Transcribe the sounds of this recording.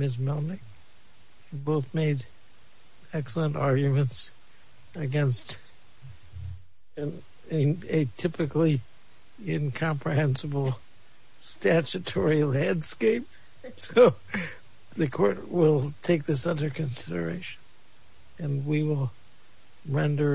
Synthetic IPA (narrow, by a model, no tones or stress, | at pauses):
mɪs̬mɛlˠnɪk̚ | hiboʊθmeɪɾ | ɛksl̩ˠə̃ntɑɹɡjɨmɨ̃nts | ɨɡɛ̃nst | ɨ̃ | ɨtʰɪpɨkli | ɪ̃nkʰɑ̃mpʰɹɨɦɛ̃nsəbl̩ˠ | stæt͡ʃɨtʰɔɹilæ̃ndskeɪp̚ | soʊ | ðɨkʰɔɹt̚wɪlˠtʰeɪk̚ðɪsʌ̃ðə˞kɨ̃nsɪɾə̰˞eɪʃn | ɨ̃nwiwɪlˠ | ɹɛ̃ndə˞